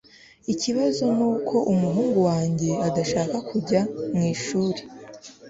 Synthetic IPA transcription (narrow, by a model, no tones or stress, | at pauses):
iciβazo̞nuːkʰo̞ʔumuɦuːŋɡuwaːɲɟe̞adaʃaːkakuɟamŋiːʃuːɾe